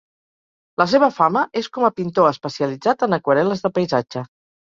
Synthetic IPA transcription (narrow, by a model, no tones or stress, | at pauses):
ləs̬eβ̞əfaməʔeskɔməpint̪oəspəsiəlid͡zat̪ənəkwəɾɛləzðəpəjzad͡ʒə